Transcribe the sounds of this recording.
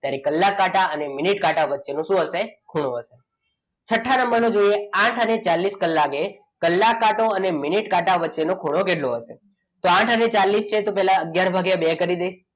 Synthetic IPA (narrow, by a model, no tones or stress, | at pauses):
t̪jaɾikəlːakːaʈaəneminiʈkaʈaʋətːʃenũʃũɦəsekʰuɽ̃oəʃe | t͡ʃʰəʈʰːanəmbəɾnõd͡ʒoieãʈʰənet͡ʃalːiskəlːake | kəlːakːaʈõəneminiʈkaʈaʋətːʃenõkʰuɽ̃okeɖloəʃḛ | t̪oãʈʰənet͡ʃalːist͡ʃʰet̪ũpɛɦlaəɡjaɾbʱaɡeabɛkəɾid̪eiʃ